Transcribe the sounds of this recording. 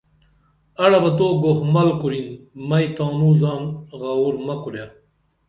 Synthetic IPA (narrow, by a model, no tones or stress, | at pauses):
ɐɽɐbɐt̪oːɡohmɐlkuɾinmɐjt̪aːnuzaːnɣauɾmɐkuɾja